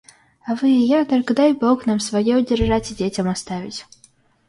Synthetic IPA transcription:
ɐvɨjakd̪aɾkd̪ajbɔknamsvajɛwd͡zʲɛrʐat͡sʲid͡zʲet͡sʲɐmast̪avʲit͡sʲ

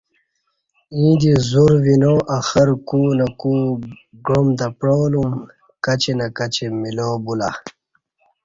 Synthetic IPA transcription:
ĩːd̪izuɾvinoːʔaxɐɾkuːnaku | ɡɾomd̪ɐpɾoːlum | kɐt͡ɕenakɐt͡ɕemiloːbula̰

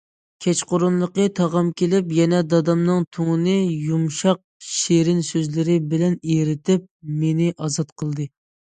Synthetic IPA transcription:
kʲʰɛt͡ʃqʊɾunlˠəqət̪ʰɑʁɑmkʲelɪpjɛnɛd̪ɑd̪ɑmnɨŋt̪ʰuŋɨnɨjumʃɑq̚ʃeɾɪnsøzlɪɾɪbɪlɛneɾɪt̪ɪp̚menɪʔɑzɑt̪qʰəlˠd̪ɨ

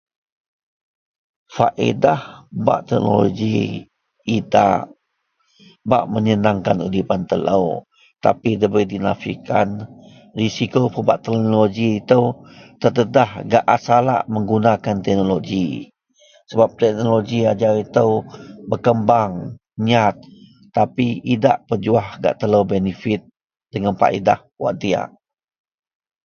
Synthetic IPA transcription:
faʔḛdahba̰ʔt̪ɛk̚no̰lo̰ɡiː | da̰ʔ | ba̰ʔməɲənaŋkanudipant̪ələ̰w | t̪apidəbɾidinafḭkan | risikopəbaʔt̪ɛk̚noloɡiːt̪əwt̪ərd̪ədahɡa̰ʔasala̰ʔməŋɡunakant̪ɛk̚noloɡi | səbap̚t̪ɛk̚noloɡiad͡ʒaɾit̪əwbərkəmbaŋ | ɲat̪̚ː | apiida̰ʔpəd͡ʒuahɡa̰ʔt̪ələwbɛnifɪt̪̚ | dəŋanpa̰ʔḭda̰h | wa̰ʔt̪ia̰ʔ

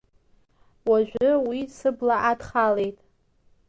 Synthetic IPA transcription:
waʒᶣʷʊwisɨblaʔadχale̞jtʼ

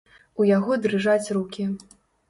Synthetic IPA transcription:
ujaɣɔd̪ɾɨʐat͡sʲrukʲi

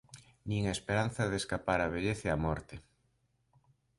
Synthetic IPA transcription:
nĩŋaespeɾan̟θaðeskapaɾaβ̞eʎeθeamɔɾt̪e

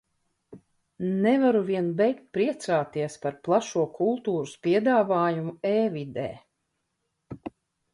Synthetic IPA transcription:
nɛvaɾuviɛnbɛjkt̪̚pɾiɛt̪saːt̪iɛspaɾplˠaʃuɔkulˠt̪uːɾuspiɛd̪aːvaːjumueːvid̪ɛ̰ː

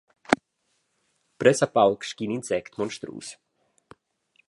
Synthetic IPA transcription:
pɾɛsapalkʃkiːninsɛkt̪mɔnʃt̪ɾṵːs

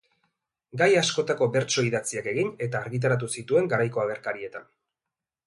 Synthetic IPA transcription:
ɡajasko̞t̪ako̞be̞ɾt͡ʃo̞iðat͡siake̞ɣine̞t̪aːɾɣit̪̬aɾat̪̬usit̪ue̞ŋɡaɾajko̞aɣe̞ɾkaɾie̞t̪an

